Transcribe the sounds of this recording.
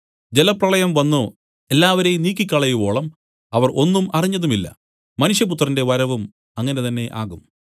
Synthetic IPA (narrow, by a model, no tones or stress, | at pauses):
d͡ʑelɐprɐɭɐjɐmʋɐnːo | e̞lːaːʋɐɾejmniːk̬ʲːikʲːɐɭɐjubo̞ːɭɐm | ɐʋɐrʔo̞nːumɐriɲːɐðumilːɐ̰ | mɐnuʂjɐput̪rɐnde̞ʋɐɾɐʋum | ɐŋːɐne̞t̪ɐnːe̞ʔaːɣum